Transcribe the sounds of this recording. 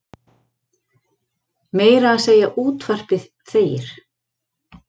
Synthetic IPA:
meːjɾaːseːjaʔuːt̪far̥pɪθ | θeːjɪ̰ɾ̥

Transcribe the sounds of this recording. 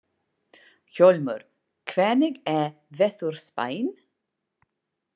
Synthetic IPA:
çɔlmʏ̰ɾ | kʰvɛːnɪɡɛ | vɛθuɾ̥spa̰jn

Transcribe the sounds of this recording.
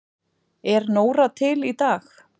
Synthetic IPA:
ɛɾnoːwɾat̪ʰɪlit̪aːx

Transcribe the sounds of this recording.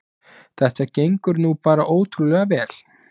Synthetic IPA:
θɛht̪acejŋkʏɾnuːpaːɾaʔoːwt̪ʰɾulɛɣavɛːl̥

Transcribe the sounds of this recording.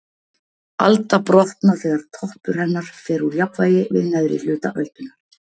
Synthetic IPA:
a̰lt̪apɾɔht̪naθɛːɣaɾ̥t̪ʰɔhpʏɾ̥hɛnːaɾ̥fɛːɾuɾjapvaːjɪvɪ̰ðnɛðɾɪ̰l̥ʏːt̪a̰ʔœlt̪ʏnaɾ

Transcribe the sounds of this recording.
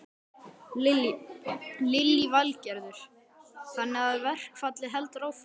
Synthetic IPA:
lɪlːivalcɛɾðʏɾ̥ | hanːɪaðvɛr̥kfat̪lɪɦɛlt̪raːwf

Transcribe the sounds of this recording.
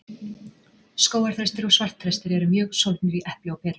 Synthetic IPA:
skoːwaɾ̥θɾajst̪ɪɾɔɣsvar̥t̪θɾajst̪ɪɾɛɾʏmjœːɣsow̪t̪nʏɾiʔɛhplɪawpʰɛːt̪a

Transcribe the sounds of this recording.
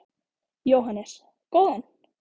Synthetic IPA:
joɦɑnes | kon

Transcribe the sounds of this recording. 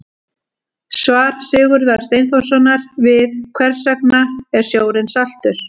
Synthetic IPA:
svaːɾ̥sɪːɣʏɾðaɾ̥st̪eːjnfowsanaɾvɪðkʰvɛr̥sɛk̚naɛɾ̥sjoːwɾɪnsal̥t̪ʏɾ̥

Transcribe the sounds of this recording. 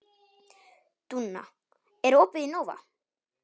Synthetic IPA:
t̪unːa̰ | ɛɾopɪinova̰

